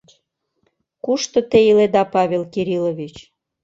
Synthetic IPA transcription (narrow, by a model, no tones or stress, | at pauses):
kuʃt̪ŏt̪ejiled̪ɑpɑβʲelkiɾiloβʲit͡ɕ